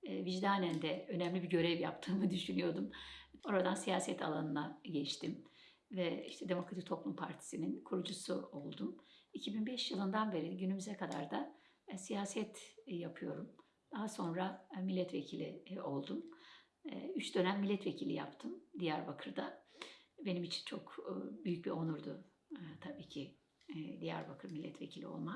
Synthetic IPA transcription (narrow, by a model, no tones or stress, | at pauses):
viʒd̪aːnænd̪ɛø̞nɛmlʲibiɟø̞ɾɛvja̰pt̪ʰɯːmɯd̪yʃynyjo̞ɾd̪umo̞ɾad̪ansijaːsɛt̪ʰa̰lˠanɯnˠaɟɛt͡ʃt̪ʰim | vɛḭʃt̪ʰɛd̪e̞mo̞kɾat̪i̥k̚t̪ʰo̞plˠumpʰaɾt̪ʰi̥sininkʰuɾud͡ʒusuo̞lˠd̪umicʰibinbɛʃjɯlˠɯnd̪anbe̞ɾiɟynymyzɛkʰad̪a̰ɾd̪a | sijaːsɛt̪japʰɯjo̞ɾum | d̪̥aɦaso̞nɾamilʲːɛt̪vecʰilʲḭo̞lˠd̪um̰ | yt͡ʃd̪ø̞næmːilʲːɛt̪ve̞cʰilʲḭja̰pt̪ʰɯmd̪ijæɾbakʰɯɾd̪a | be̞nimit͡ʃʰi̥nt͡ʃʰo̞kːbyjyc̚bio̞nuɾd̪u | t̪ʰabiːcʰi | d̪ijæ̰ɾbakʰɯɾmilʲːɛt̪vecʰilʲio̞̰lˠma